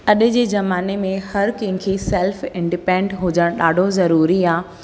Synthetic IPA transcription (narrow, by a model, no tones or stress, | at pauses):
ɐɗɪ̆d͡ʑeːzɐmaːnemẽhɐɾkɐ̃ɦɪ̃kʰisɛːlfɪ̃ɳɖɪpẽːɳɖɦʊd͡ʑəɽ̃ɗaːɖʱozɐɾuːɾiaː